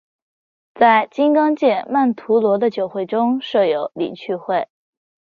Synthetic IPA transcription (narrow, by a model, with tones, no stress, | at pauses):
t͡sa˥˩ɪt͡ɕi˥ŋkɑ˥ŋt͡ɕjɛ˥˩ma˥˩nt̪ʰu˧˥lwɔ˧˥d̪ə˧t͡ɕjo˨˩ʊxwe˥˩ɪʈ͡ʂʊ˥ŋʂɤ˥˩jo˧˥ʊlḭ˨˩t͡ɕʰy˥˧xwe˥˩ɪ